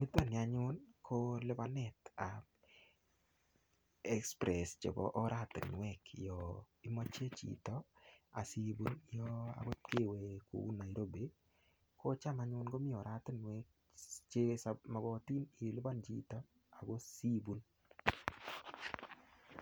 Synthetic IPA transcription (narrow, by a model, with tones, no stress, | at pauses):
mɪ˦t̪o˦˨nja˨ɲʊ˦nkʰo˦lɪ˦ba˦nɛ˨ta˨ | ɛ˦kspɾɛ˨st͡ʃɔ̰˨bɔ̰˨ʔɔ˦ɾa˦˨tɪ̰˨nwɛ˦kjɔ˨ | i˦mo˦t͡ʃe˦t͡ʃḭ˨tɔa̰˨si˦bu˦njo˦a̰˨ɡo˦ke˦we˨kṵ˨u˦na˨i˨ɾo˦be˦ | ko˦t͡ʃa˦ma˦ɲʊ˦nɡo˦mɪ˦ɔ˨ɾa˦tɪ˦nwɛ˦k̚ | t͡ʃe˦sama˨ɡɔ˨ti˦ni˨lɪ˦ba˦nt͡ʃḭ˦tɔ˦ | a˨ɡo˦si˦bu˦n